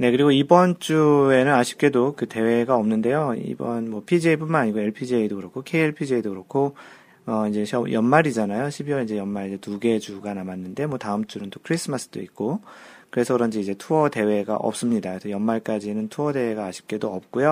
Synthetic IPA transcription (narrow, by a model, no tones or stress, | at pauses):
ne̞kɯɾiɡoibʌnt͡ɕ͈ue̞nɯnaɕʰi̥p̚k͈e̞dokɯte̞we̞ɡaʌmnɯnde̞joḭbʌnmwʌpʰid͡ʑeipunmanaɲiɡoe̞ɭpʰid͡ʑeidokɯɾʌkʰokʰeieɭpʰid͡ʑeidoɡɯɾʌkʰo | ʌid͡ʑe̞ʌjʌnmaɾid͡ʑanajoɕʰibiwʌid͡ʑe̞jʌnmaɾid͡ʑetuɡe̞d͡ʑuɡanamanːɯnde̞mwʌtaɯmt͡ɕ͈unɯnt͈okʰɯɾis͈ʰɯmasʰɯ̥d̥͈oit̚k͈o | kɯɾe̞sʰʌkɯɾʌnd͡ʑiid͡ʑe̞tʰuʌde̞we̞ɡa̰ʔʌ̰p̚s͈ɯmɲidaksʰʌjʌnmaɭk͈ad͡ʑinɯntʰuʌde̞we̞ɡaːɕʰi̥p̚k͈e̞doʌp̚k͈ujo